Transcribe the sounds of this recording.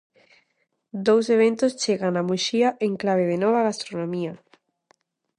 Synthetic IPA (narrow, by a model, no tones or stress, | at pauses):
d̪owseβ̞ent̪ost͡ʃeɣanamuʃiaʔeŋklaβ̞eðenɔβ̞aɣast̪ɾonõmia